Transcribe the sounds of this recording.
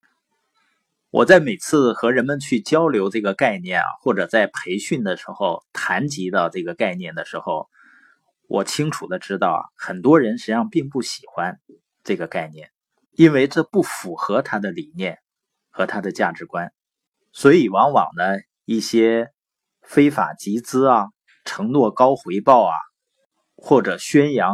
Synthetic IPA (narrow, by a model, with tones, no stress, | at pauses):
wʔɔ̰˨˩t͡sa˥˩ɪme˨˩ɪt͡sʰɹ̩˥˩xɤ˧˥ɻə˧˥nmə˧nt͡ɕʰy˥˩t͡ɕjɑ˥ʊljo˧˥ʊʈ͡ʂɤ˥˩ɡə˩ka˥˧ɪnjɛ̰˥˩nɐ̰˩xwɔ˥˩ʈ͡ʂɤ˨˩t͡sa˥˩ɪpʰe˧˥ɪɕy˥˩nd̪ə˩ʂɻ̩˧˥xo˥˧ʊt̪ʰa˧˥nt͡ɕi˧˥d̪ə˧ʈ͡ʂɤ˥˩ɡə˩ka˥˧ɪnjɛ˥˩nd̪ə˩ʂɻ̩˧˥xo˥˧ʊ | wʔɔ˨˩t͡ɕʰi˥ŋʈ͡ʂʰu˨˩d̪ə˦ʈ͡ʂɻ̩˥t̪ɑ˥˩ʊxə˨˩nt̪wɔ˥ɻə˧˥nʂɻ̩˧˥jɑ˥˧ŋpi˥˧ŋpu˥˩ɕi̥˨˩xwa˥n | ʈ͡ʂɤ˥˩ɡə˩ka˥˧ɪnjɛ̰˥˩n | i˥nwe˥˧ɪʈ͡ʂɤ˥˧pu˥˩fu˨˩xɤ˧˥t̪ʰa˥d̪ə˨li˨˩njɛ˥˩n | xɤ˧˥t̪ʰa˥d̪ə˨t͡ɕja˥˩ʈ͡ʂɻ̩˧˥kwa˥n | swɔ˧˥i˨˩wɑ˧˥ŋwɑ̰˨˩ŋd̪ə˦ | i˥˩ɕjɛ˥ | fe˥ɪfa̰˨˩t͡ɕi˧˥t͡sɹ̩˥ɐ˨˩ | ʈ͡ʂʰɤ˧˥ŋnwɔ˥˧˩kɑ˥ʊxwe˧˥ɪpɑ˥˩ʊɐ̰˩ | xwɔ˥˩ʈ͡ʂɤ˨˩ɕɥɛ˥njɑ˧˥ŋ